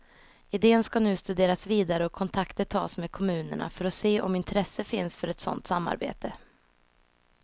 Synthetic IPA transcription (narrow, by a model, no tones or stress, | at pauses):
ɪd̪eːənskanʉ̟ːst̪ɵd̪eːɾasviːd̪aɾəɔkʰːɔnt̪ʰakt̪əʈʰɑ̰ːsmeːd̪̚kʰɔmʉ̟ːnə̰ɳa̰fœɾɔseːʔɔ̰mɪnt̪ʰɾɛsːəfɪnsfœɾɛt̪sɔ̰nt̪samːa̰ɾbḛːt̪ə